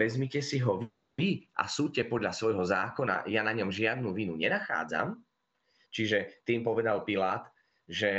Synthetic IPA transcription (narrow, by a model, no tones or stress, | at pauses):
ɛzmicɛsiɦɔʋ | iʔa̰suːcɛpɔd̪ʎasʋɔjɦɔzaːkɔna̰janaɲɔmʒɪad̪̚nuʋinuɲɛnaxa̰ːd͡za̰m | t͡ʃiʒɛt̪iːmpɔʋɛd̪alpilaːt̪ | ʒɛ